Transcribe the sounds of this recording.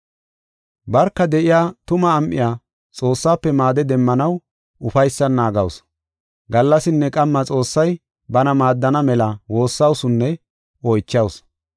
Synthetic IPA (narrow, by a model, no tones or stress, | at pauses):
bɐɾkːɐd̪ɛʔɪjaːt̪ʊmɐːmʔːɪ̰jaː | t͡sʼo̞ːsːaːpːɛmaːd̪ɛd̪ɛmːɐnɐw | ʔʊfɐjsːɐnːaːɡɐws | ɡɐlːɐsɪnːɛkʼɐmːɐt͡sʼo̞ːsːɐj | bɐnɐmaːd̪ːɐnɐmɛlɐwo̞ːsːɐwsʊnːɛ | ɔjt͡ʃːɐws